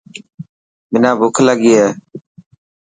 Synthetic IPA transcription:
mɪnãːbʊkʰləɡiːeː

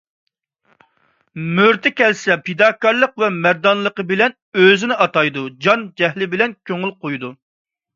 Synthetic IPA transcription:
møɾt̪ʰɪkʲɛlsɛped̪ɑːkɑɾlˠəqvɛmæɾd̪ɑnlˠəqəbɪlɛn | øzɪnɪʔɑt̪ɑjd̪ud͡ʒɑnd͡ʒɛɦlɪbɪlɛnkʲʰøŋylqojd̪u

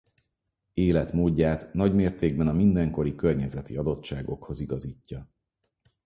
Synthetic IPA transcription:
eːlɛt̪moːɟːaːt̪nɒɟmeːrt̪eːɡ̚bɛnɒmind̪ɛŋko̞ɾikørɲɛzɛt̪ḭɒd̪o̞tt͡ʃaːɡo̞kho̞ziɡɒziːcːɒ

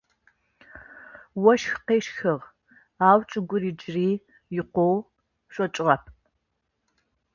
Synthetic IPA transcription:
wɔʃxqeːʃxɨʁ | aːwt͡ʃʼɪɡʷʊriːd͡ʒriː | jɪqʷow | ɕʷʼɔt͡ʃʼʁɐpʰ

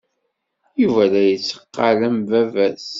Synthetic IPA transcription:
juvælæjət͡sːə̥qːɑləmvævæs

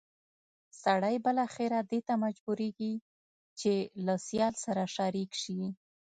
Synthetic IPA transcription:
saɽajbəlɑxɪɾad̪et̪amad͡ʒbuɾeɡi | t͡ʃelasjɑlsaɾaʃaɾikʃi

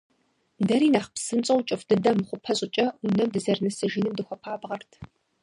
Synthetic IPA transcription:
dɐɾiːnaːχpsɨnt͡sʼɐwt͡ʃʼɨfd̥ɨdɐmɨχʷʊpʰɐɕʼɪt͡ʃʼɐunɐmdɨzɐrnɐsɨʒinɨmdɨxʷɔpʰaːbʁɐrtʰ

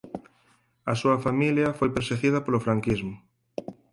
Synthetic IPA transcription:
ɐsuɐfamiljɐfojpeɾseɣiðɐpolʊfɾaŋkizmʊ

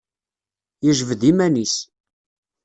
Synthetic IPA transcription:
jəʒəvðimænis

